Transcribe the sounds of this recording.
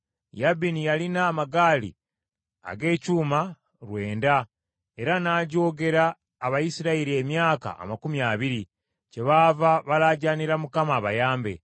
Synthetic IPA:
jabinijalinaːmaɡaːlḭ | a̰ɡe̞ːcuːma | ɾwe̞ːnda | e̞ɾanaːɟo̞ːɡe̞ɾaː | βajisiɾaiɾie̞mjaːka̰ʔːmakumjaβiɾi | ce̞βavaβalaɟaniɾamukamaːβajaːmbe̞̰

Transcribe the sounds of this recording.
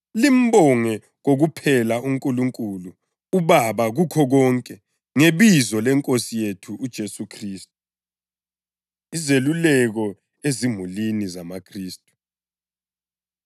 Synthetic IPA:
lim̩bɔŋɛ | ɣoɣupʰɛlauŋkʼuluŋkʼulu | uβaβaɣukʰɔɣɔŋkʼɛ | ŋeβizɔlɛŋkʼosijetʰuʔːd̥ʒ̥ʱesukʰriːstʼu | izelulɛɣɔ | ezim̤ulinizamakʰriːstʼu̥

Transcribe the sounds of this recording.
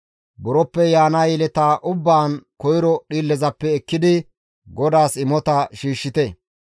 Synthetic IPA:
bɔɾɔpːɛjaːnajɛlɛt̪aːʔʊbːaːnkɔjɪɾɔɗiːlːɛzɐpːɛːkːɪd̪ɪ | ɡɔd̪aːsɪmɔt̪ɐʃiːʃːɪt̪ɛ

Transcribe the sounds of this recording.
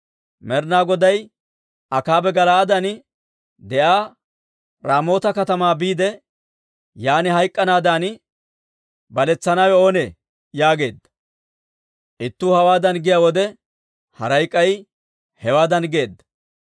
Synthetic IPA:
mɛɾnaːɡɔd̪ɐj | ɐkaːbɛɡɐlaːd̪ɐn | d̪ɛʔaː | ɾaːmo̞ːt̪ɐkɐt̪ɐmaːbiːd̪ɛ | jaːnɪɦɐjkʼːɐnaːd̪aːn | bɐlɛt͡sːɐnaːwɛo̞ːnḛː | jaːɡe̞ːd̪ːɐ̥ | ʔɪt̪ːuːhɐwaːd̪ɐnɡɪjaːwɔd̪ɛ | hɐ̰ɾɐjkʼːɐj | hɛwaːd̪ɐnɡe̞ːd̪ːɐ̥

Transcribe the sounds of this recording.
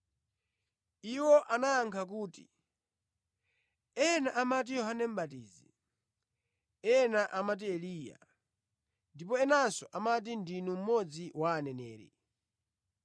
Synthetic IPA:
iwɔʔanaːŋkʰakuːtḭ | ɛnaʔamat̬ijɔɦanɛm̩batḭːzi | ɛnaʔamat̬iɛliːja̰ | ndipɔɛnansɔʔamat̬indinum̩mɔd͡ziwaːnɛnɛːɾɛ̰

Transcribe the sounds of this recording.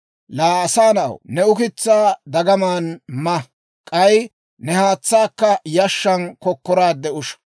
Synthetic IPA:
laːɐsaːnɐɐ̰wnɛʊkɪt͡sːaːd̪ɐɡɐmaːnmɐ | kʼɐj | nɛhaːt͡sːaːkːɐjɐʃːɐnkɔkːɔɾaːd̪ɛʊʃɐ̥

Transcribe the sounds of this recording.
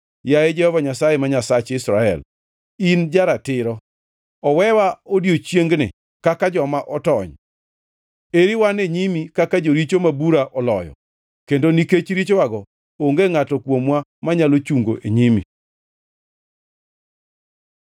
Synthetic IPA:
jajed͡ʒɛhɔvaɲasajemaɲasat͡ʃɪsɾaɛ̰l | ind͡ʒaɾatɪɾɔ | ɔwɛwaodjot͡ʃjeŋɡnɪ̰ | kakad͡ʒɔmaʔɔtɔɲ | eɾiwaneɲimikakad͡ʒoɾit͡ʃomabuɾaʔɔlɔjɔ̰ | kendoniket͡ʃɾit͡ʃwaɡɔ | oŋɡeŋatɔkwomwamaɲalot͡ʃuŋɡo̰ʔeɲimḭ

